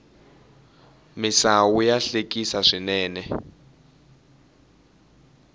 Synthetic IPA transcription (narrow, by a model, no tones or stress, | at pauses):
misawujaɬekʼisaʂinɛːnɛ